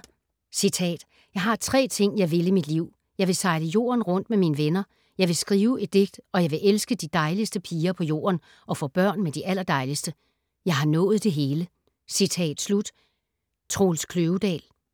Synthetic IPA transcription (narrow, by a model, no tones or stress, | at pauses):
sit͡sʰɛ̰ːd̥ | jɑ̈ɪɦɑ̈t͡sʰʁɛ̰ːt͡sʰe̝ŋ̰jɑ̈ɪʋe̝limid̥liʊ̰ | jɑ̈ɪʋe̝sɑ̈ɪləjo̝̰ːɐnʁɔ̽n̰d̥meminəʋenɐ | jɑ̈ɪʋe̝sɡ̥ʁiːʊʔe̝d̥̚ːe̝ɡ̥̚d̥ɒ̽jɑ̈ɪʋe̝ʔelsɡ̥əd̥id̥ɑ̈ɪlisd̥əpʰiːɐpʰɒ̽jo̝̰ːɐn | ʔɒ̽fɔ̰̽ːb̥ɶɐ̰nmed̥iʔæl̰ɐd̥ɑ̈ɪlisd̥ə | jɑ̈ɪɦɑ̈nɔ̽ːð̞̩ˠd̥e̝ɦe̝ːlə | sit͡sʰɛ̰ːd̥slud̥ | t͡sʰʁo̝ːlskʰløːʊd̥ɛ̰ːl